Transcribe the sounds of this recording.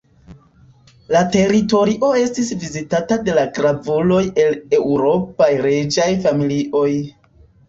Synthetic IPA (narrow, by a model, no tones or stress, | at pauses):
late̞ɾito̞ɾiʔo̞e̞stisvizitatade̞laɡɾavulo̞je̞le̞wɾo̞pajɾed͡ʒajfamiliʔo̞j